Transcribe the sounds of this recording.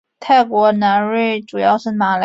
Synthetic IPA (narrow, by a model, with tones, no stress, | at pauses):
t̪ʰa˥˩ɪkwɔ˧˥na˧˥nɻe˥˩ɪʈ͡ʂu˨˩jɑ˥˧ʊʂɻ̩˥˩na˨˩l